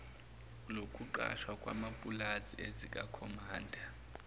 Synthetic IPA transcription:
lokʰʼuǃa̰ʃwakʼwa̰mapʼulaziezikʼakʰɔmaːndʱa

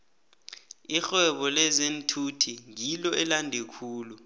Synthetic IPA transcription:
ixɛɓɔlɛzentʰutʰiŋilɔɛlandʱekʰuːlu

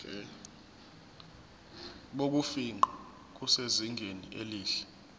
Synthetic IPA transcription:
ɛ | ɓok̬ufiŋ͡ǃʱɔ | k̬useziŋʱenieliːɬɛ̥

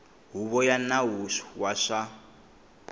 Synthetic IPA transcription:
ɦuβɔjanaɦuʃu̥waʂa

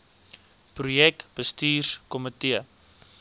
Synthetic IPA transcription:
prujɛkb̥əstiːrkɔmətiə

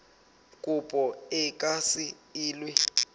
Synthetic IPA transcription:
kʼupʼɔɛkʼasi | iːlwi

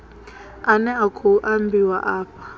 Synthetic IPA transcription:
anɛakʰuʔambiwaʔaːpʰḁ

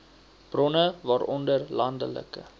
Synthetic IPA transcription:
b̥rɔnəvɑːɾʔɔndərlɐndə̰lə̰kə̰

